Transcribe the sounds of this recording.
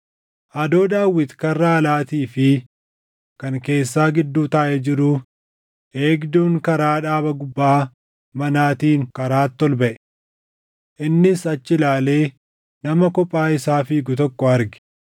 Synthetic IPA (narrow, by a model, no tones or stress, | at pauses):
ʔɐd̪o̞ːd̪aːwːɪt̪kɐrːaːlaːt̪iːfɪ | kɐŋke̞ːsːaːɡɪd̪ːuːt̪aːʔɛd͡ʒɪɾʊ | e̞ːɡd̪uːŋkɐɾaːᶑaːbɐɡʊbːaː | mɐnaːt̪iːŋkɐɾaːt̪ːɔlbɐʔɛ | ʔɪnːɪsɐt͡ʃːɪlaːle̞ː | nɐmɐkɔpʼːaːɪsaːfiːɡʊt̪ɔkːɔɐɾɡɪ̥